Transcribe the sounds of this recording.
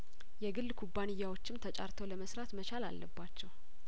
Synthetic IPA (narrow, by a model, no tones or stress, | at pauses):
jɛɡɨlːkʰubːanɨjːawo̞t͡ʃːɪmt̪ʰət͡ʃʼa̰ɾt̪ʰəwləməsɾat̪mət͡ʃala̰lːəbːat͡ʃːɛw